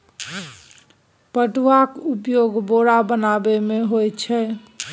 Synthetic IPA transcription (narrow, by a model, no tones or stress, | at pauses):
pəʈʋakupjoɡboɽabənabemeɦojt͡ʃʰɛ